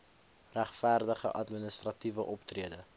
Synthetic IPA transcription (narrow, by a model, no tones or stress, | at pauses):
ræχfærdəχə̰ʔɐtminəst̪rɐtivəʔɔptriədə